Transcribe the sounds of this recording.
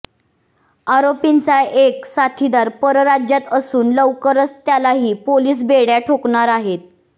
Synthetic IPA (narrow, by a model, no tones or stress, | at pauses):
aɾopint͡saeksat̪ʰid̪aɾpəɾəɾad͡ʑjat̪əsuːnləʋkəɾəst̪jalaɦiːpoliːs̬beɽjaʈʰokɳaɾaɦet̪̚